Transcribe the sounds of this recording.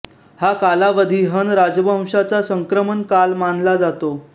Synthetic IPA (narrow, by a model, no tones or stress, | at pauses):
hakalaʋəd̪ʱiɦənɾad͡zbʱə̃w̃ʂat͡sasəŋkɾəmənkalmanlad͡zat̪o